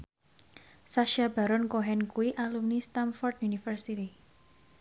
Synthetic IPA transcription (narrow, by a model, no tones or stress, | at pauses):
saʃab̥a̤ɾɔnkoɦɛnkuwiʔalumnist̪anfɔrd̪̚junifərsit̪i